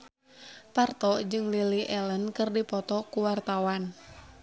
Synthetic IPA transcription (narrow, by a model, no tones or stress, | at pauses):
part̪ɔd͡ʒɨŋliliʔɛlənkɨrdipɔt̪ɔkuwart̪awan